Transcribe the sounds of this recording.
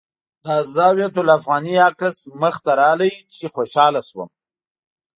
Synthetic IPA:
d̪azɑwjat̪ʊlafɣɑːniakɪsməxt̪aɾɑləjt͡ʃexoʃɑlaswə̰m

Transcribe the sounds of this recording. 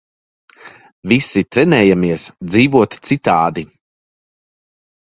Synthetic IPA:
visit̪ɾɛnɛːjamiɛsd̪ziːvuɔt̪t̪sit̪aːd̪i

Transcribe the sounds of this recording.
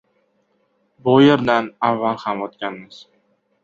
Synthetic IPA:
bʊjeɾd̪anavːalˠhamot̪kʲanmɪz̥

